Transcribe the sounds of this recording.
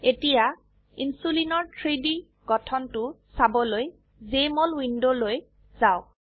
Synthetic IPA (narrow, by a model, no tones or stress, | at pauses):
etija | insulinɔɹtʰɹidi | ɡɔtʰɔntʊ | sabɔloj | zemɔlwindoloj | zaʊk̚